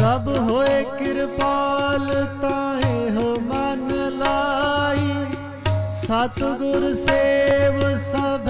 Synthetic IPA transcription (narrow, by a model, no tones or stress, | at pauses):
sɐbɦoekɪɾpaːlt̪ãɦẽɦoːmanlaːi | sɐt̪ɡʊɾseʋsɐbʱ